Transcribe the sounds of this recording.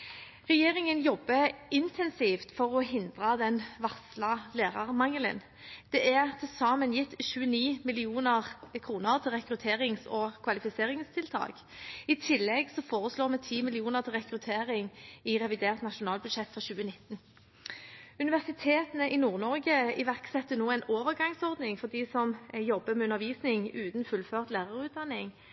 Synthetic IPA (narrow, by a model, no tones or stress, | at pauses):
ʁɛjeːʁɪŋənjɔbːəɪnt̪ʰɛnsift̪fɔʁɔɦɪnd̪ʁɑd̪ɛnʋɑʁslɑleːʁɑʁmɑŋələ̰n | d̪̥ɛʔæʁt̪ʰɪlsɑːmənjɪt̪ːʃʉːəniːmɪlɪuːnəʁkʰʁuːnəʁt̪ʰɪlʁɛkɾʉt̪ʰeːʁɪŋsɔkʰʋɑlɪfɪseːʁɪŋst̪ʰɪlt̪ʰɑ̰ːɡ | ɪt̪ʰɪlːɛɡsɔfoːʁəsloːʁmɛt̪ʰiːmɪlɪuːnəʁt̪ʰɪlʁɛkɾʉt̪ʰeːʁɪŋɪʁɛʋɪd̪eːʁt̪nɑʃʊnɑːlbʉd̪ʃɛt̪ːfʁɑɕʉːənɪt̪ːn̩ | ʉnɪʋæʁsɪt̪ʰeːt̪ənəʔɪnuːʁnɔʁɡəɪʋæʁksɛt̪ːənoːɛɪnoːʋəʁɡɑŋsɔʁd̪nɪŋfɔʁd̪iːsɔmjɔbːəmɛʉnəʁʋiːsnɪŋʉːt̪n̩fʉlføːʁt̪læːʁəʁʉːt̪̚d̪ɑnːɪŋ